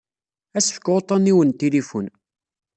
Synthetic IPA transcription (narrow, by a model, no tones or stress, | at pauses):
æsfə̥kːʁot̪ˤɑniwənt̪ilifun